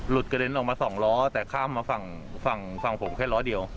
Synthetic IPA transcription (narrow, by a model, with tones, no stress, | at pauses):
lu˨˩t̪̚ka˧de˧nʔɔː˨˩k̚maː˧sɔː˩˦ŋɾɔː˦˥t̪ɛː˨˩kʰaː˥˩mːaː˧fa˧ŋ | fa˧˩ŋfa˧˩ŋpʰo˩˦mkʰɛː˥˩lɔː˦˥di˧ə˧w